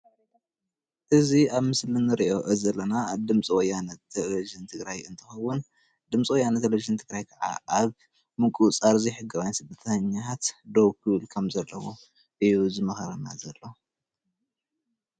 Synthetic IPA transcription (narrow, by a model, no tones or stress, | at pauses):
ʔɨziaβmɨslɨnːɨɾiʔo̞ʔɨzɐlːɐnad̪ɨmt͡sʼiwɔjːanɐt̪ʰːeliʒɨnt̪ʰɨɡɾajɨnt̪ʰɨxɐwʊn | d̪ɨmt͡sʼiwɔjːanɐt̪ʰːeleviʒɨnt̪ʰɨɡɾajkʰɐʕa̰ʔaβ | mɨkʼut͡sʼaɾziħɨɡɐβajnsɨd̪ɐt̪ʰɐɲːaat̪d̪owkʰɨβɨlkʰɐmzɐlːɐwo̰ | ʔɨjuzɨmɐxɐɾɐna̰zɐlːo